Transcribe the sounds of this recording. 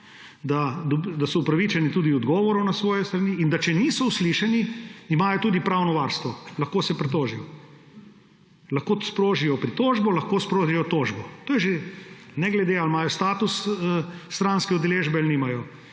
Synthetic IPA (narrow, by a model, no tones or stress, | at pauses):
d̪ad̪ɔd̪asɔupɾɐʋit͡ʃɛnit̪uːd̪iɔd̪ɡɔːʋɔɾɔwnasʋɔːjɛst̪ɾaniːnd̪at͡ʃɛniːsɔusliʃɛniimaːjɔt̪uːd̪ipɾawnɔʋaːɾst̪ʋɔlɐxkoːsɛpɾɛt̪oːʒijɔ | lɐxkoːspɾoːʒijɔpɾit̪oːʒbɔlɐxkoːspɾoːʒijɔt̪oːʒbɔt̪oːjɛʒenɛɡlɛd̪ealmaːjɔst̪aːt̪usəːt̪ɾanskɛɔd̪ɛleʒbɛalniːmajɔ